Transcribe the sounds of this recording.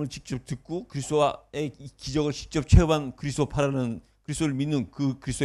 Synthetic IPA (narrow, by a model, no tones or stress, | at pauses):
mɯɭt͡ɕik̚t͡ɕ͈ʌp̚tɯk̚k͈okɯɾisʰdoaeikid͡ʑʌɡɯɭt͡ɕi̥k̚t͡ɕ͈ʌp̚t͡ɕʰebankɯɾisʰd̪opʰaɾanɯn | kɯɾis͈ʰdoɾɯɭminːɯnkɯkɯɾisʰdo